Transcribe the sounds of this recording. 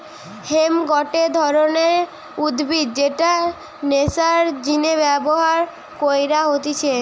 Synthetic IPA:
hemɡɔʈed̪ʱɔɾoneɾ | ud̪bid̪̚d͡ʑeʈa | nesaɾd͡ʑinebɛboɦaɾ | kojɾaɦot̪it͡ɕʰe

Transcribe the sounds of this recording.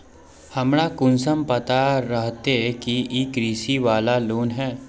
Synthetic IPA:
hɐmɽakʊns̬əmpɐt̪aɾɐɦt̪eɦkiiːkɾiːsiʋaːlaloːnɦɛː

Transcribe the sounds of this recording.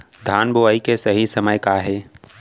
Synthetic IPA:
d̪ʱaːnboaːikesɐɦisɐməjkaɦɛː

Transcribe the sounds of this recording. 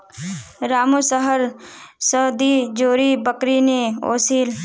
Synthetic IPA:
ɾaːmosəɦəɾsəːd̪id͡ʒoːɾibəkɾineo̰ːsiːl

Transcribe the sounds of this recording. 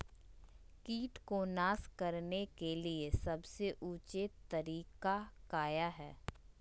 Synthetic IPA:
kiːʈkonaːskɐɾnekeliesɐbseʔuːt͡ʃet̪ɐɾiːkakaːjaɦɛː

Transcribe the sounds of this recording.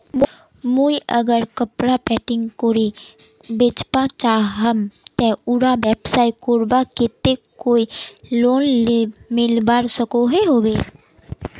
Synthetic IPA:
moiʔəɡəɾkəpɾapɛːʈɪ̃ŋɡkoɾe | beːt͡ʃpãt͡ʃaːɦəmt̪ɛ̃ʊɾabeːpsaːɪkoːɾbaket̪ekoːiloːnleːmɪlbaːɾsəkoɦeɦoːbeː

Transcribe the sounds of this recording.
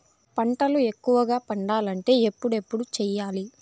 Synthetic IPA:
pɐɳʈɐlue̞kːuʋɐɡaːpɐɳɖaːlɐɳʈe̞ːepːuɽe̞pːuɽut͡ʃɛːjaːli

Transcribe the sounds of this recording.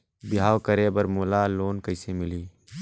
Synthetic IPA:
bɪɦaːwkəɾeːbəɾmʊːlaːloːnkəɪsemɪliː

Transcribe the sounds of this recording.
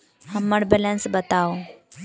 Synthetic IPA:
həmːəɽbɛlə̃nsbət̪aw

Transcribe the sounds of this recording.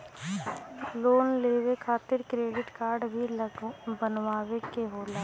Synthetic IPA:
loːnleːʋekʰaːt̪ɪɾkɾeːɖɪʈkaːɾɖbʱibənʋaːʋekeɦoːlaː

